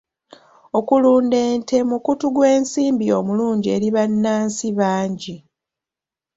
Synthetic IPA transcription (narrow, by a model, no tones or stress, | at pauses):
o̞kuluːnde̞ːnte̞mukutuɡwe̞ːnsiːmbiomuluːɲɟie̞ɾiβanːaːnsiβaːɲɟi